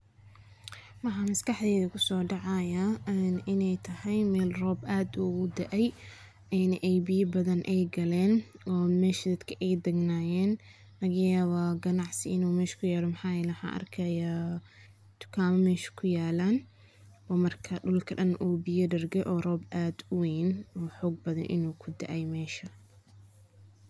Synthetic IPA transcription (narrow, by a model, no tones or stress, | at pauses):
wɑħɑmɐskɐħd̪ɛːðɐkʰʊsɔːɖɑʕɑjɐnɪnɛjt̪ʰɐhɛjmɛːlrɔːbaːd̪uɣʊd̪ɐʔɛj | ɛnʔɛjbɪjɐbɐðɐnʔɛjɡɐlɛːnɔːmɛːʃd̪ɐd̪kʰɐʔɛjd̪ɐɡnaːjɛːn | lɐɣɐjaːβɐɡɐnɑʕsɪɪnuːmɛːʃkʰʊjaːlɔmɐħaːjɛlɛwħa̰ːʔɐ̰rkʰɐjaː | t̪ʰʊ̥kʰaːmɐmɛːʃɐ̥kʰʊjaːlaːn | bɐmɐrkʰɐɖʊlkʰɐɖɐnʔuːbɪjɐɖɐrɡɛʔɔːrɔːbʔaːd̪ʊwɛjnɔːħɔːɡ̚bɐðɐ̰nʔɪ̰nuːkʰʊd̪ɐʔɛjmɛːʃɐ